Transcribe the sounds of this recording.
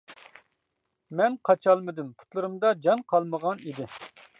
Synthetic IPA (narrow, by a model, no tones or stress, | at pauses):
mɛnqʰɑt͡ʃʰɑlˠmɨd̪ɪmpʰu̥t̪lˠɨɾɨmd̪ɑd͡ʒɑnqʰɑlˠməʁɑnid̪ɪ